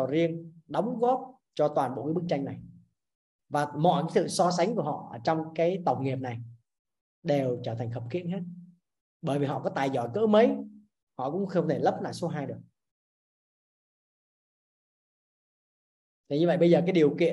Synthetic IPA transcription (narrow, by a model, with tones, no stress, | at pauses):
zi˧ənɗɔ˨˦wŋ͡mɣɔ˦˥p̚ | t͡ɕɔ˧t̪waː˨˩nɓo̰˧˨kaː˨˦ɓɨ˦˥k̚t͡ɕa˧jŋ̟na˨˩j | vaː˨˩mɔ̰˧˨jkaː˨˦jsɨ̰˧˨sɔ˧s̬a˨˦ŋ̟ku˧˩əhɔ̰˧˨ʔəː˧˩t͡ɕɔ˧wŋ͡mkaː˨˦jt̪ə˨˩wk͡p̚ŋi˨˩əp̚na˨˩j | ɗe˨˩wt͡ɕəː˧˩t̪ʰŋ̟xəː˨˩p̚xḭ˧˥ənheː˦˥t̚ | ɓəː˧˩jvi˨˩ɦɔ̰˧˨kɔ˨˦t̪aː˨˩jzɔ˧˩jkə̰ː˧˥mə˨˦j | hɔ̰˧˨kʊ̰˧˥ŋ͡mxə˧wŋ͡mt̪ʰe˧˩lə˦˥p̚la̰ː˧˨˩so˨˦ɦaː˧jɗɨ˨˩ək̚ | t̪ʰe˨˩ɲɨ˧və˧˨jɓə˧jzəː˨˩kaː˨˦jɗi˨˩əwkḭ˧˨ə